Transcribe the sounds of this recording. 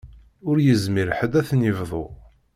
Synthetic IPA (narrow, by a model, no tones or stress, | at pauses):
ʊɾjəzmiɾħəd̪æθnivðˤo